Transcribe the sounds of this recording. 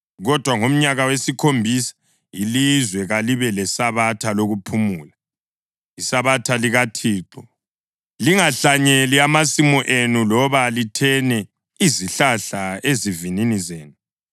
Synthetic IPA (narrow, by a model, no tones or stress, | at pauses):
ɣɔd̥ʱwaŋom̩ɲaɣawesikʰombʱisḁ | ilizwɛɣaliβɛlɛsaβatʰaloɣupʰumuːla | isaβatʰaliɣatʰiːǃɔ | liŋaɬaɲeliamasimɔʔenulɔβalitʰɛnɛ | iziɬaɬaezivininizeːnu